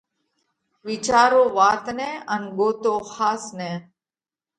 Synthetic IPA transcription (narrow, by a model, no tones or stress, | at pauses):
ʋɪt͡ʃaːɾõːʋaːt̪neːənɡoːt̪oːxaːsneː